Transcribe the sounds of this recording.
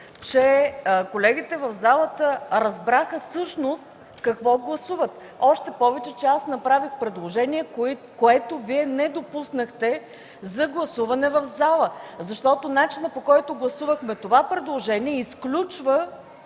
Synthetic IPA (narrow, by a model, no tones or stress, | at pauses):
t͡ʃɛkolɛɡ̟it̪ɛvɐvzalˠət̪əɾɐzbɾaxəsɤʃnost̪ | kɐkvɔɡlˠɐsuvət̪ | ɔʃt̪ɛpɔvɛt͡ʃɛt͡ʃɛasn̪ɐpɾavixpɾɛd̪lˠoʒɛniɛ | koɛt̪oviɛnɛd̪opusnəxt̪ɛ | zɐɡlˠɐsuvɐnɛvɐvzalˠəzɐʃt̪ɔt̪onat͡ʃinəpokɔjt̪ʊɡlˠɐsuvəxmɛt̪ovapɾɛd̪lˠoʒɛniɛisklʲut͡ʃvə